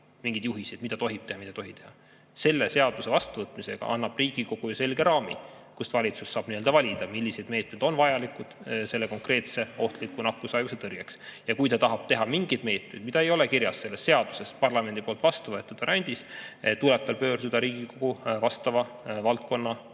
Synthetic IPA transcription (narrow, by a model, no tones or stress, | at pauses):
miŋɡid̪̥juɦisid̥̪mid̪ɑt̪o̞ɦib̥t̪e̞hɑmit̪ɑt̪o̞ɦi̥t̪e̞hɑ | se̞lːe̞se̞ɑd̪use̞vɑst̪uvɤt̪ːˑmise̞ɡ̥ɑ̰ʔɑ̰nːɑb̥riːɡ̥iko̞ɡ̥ujuse̞lɡ̥e̞ɾɑːmḭ | kust̪vɑlʲit̪susːɑːb̥niø̞ld̪̥ɑvɑlʲid̪̥ɑmilːise̞d̪me̞ːt̪med̪o̞nvɑjɑlikud̪̥se̞lːeko̞ŋkre̞ːt̪se̞o̞ht̪likːˑunɑkːˑuseɑjɡ̥uset̪ɤrɡ̥eksjɑkujt̪ɑt̪ɑɦɑb̥̚t̪e̞ɦɑmiŋɡ̥id̪me̞ːt̪mejd̪̥mit̪ɑe̞jo̞lekirjɑsːe̞lːesːe̞ɑd̪̥use̞spɑrlɑme̞nd̪ipo̞lt̪vɑst̪uvɤe̞t̪ːˑud̪̥ɑɾænʲd̪̥ist̪ulɛb̥̚t̪ɑlpø̞ːɾd̪̥ud̪̥ɑɾiːɡ̥iko̞ɡ̥uvɑst̪ɑvɑ | vɑlt̪̚ko̞nːɑ